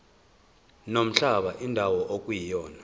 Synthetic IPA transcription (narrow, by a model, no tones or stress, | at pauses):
nom̩ɬaɓaʔindʱawɔʔokʼujijɔːna